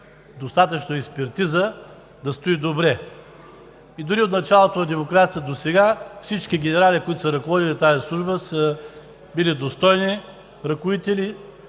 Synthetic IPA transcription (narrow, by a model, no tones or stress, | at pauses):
d̪ost̪at̪ət͡ʃnoɛkspɛɾt̪izə | d̪ɐst̪oid̪obɾɛ | id̪ʊɾiot̪nɐt͡ʃalˠot̪onɐd̪ɛmokɾat̪siəd̪osɛɡafsit͡ʃkiɡʲɛnɛɾalikoit̪ʊ̥səɾɐkovɔd̪ilʲit̪azislˠuʒbəsə | bilid̪ost̪ɔjni | ɾɐkʊit̪ɛli